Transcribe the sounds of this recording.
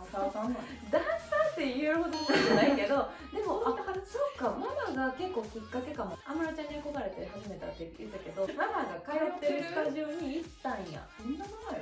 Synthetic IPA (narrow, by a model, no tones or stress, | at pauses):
akasã | d̪asãnt̪ːe̞jieɾɯ̟ɦo̞d̪oad͡ʑanaike̞d̪o̞ | d̪e̞moasokːamamaɡake̞kːo̞ːkɯ̟kːake̞kamoamaɾat͡ɕãɲ̟ːiakoɡaɾe̞t̪eɦaʑime̞t̪a̰t̪ːejɯt̪ːake̞d̪o̞mamaɡakajot̪ːeɾɯ̟st̪aʑoːɲ̟iːt̪ːãɰ̃ja̰somʲinamonajo